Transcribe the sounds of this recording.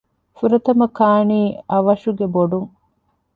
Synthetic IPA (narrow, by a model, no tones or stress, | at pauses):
fuɾɐt̪ɐmɐkaːniːɐʋɐʃuɡeboɖuŋ